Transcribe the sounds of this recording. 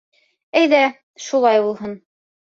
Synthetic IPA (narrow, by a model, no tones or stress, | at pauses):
æjðæ | ʃulˠɑjbulˠɦɤn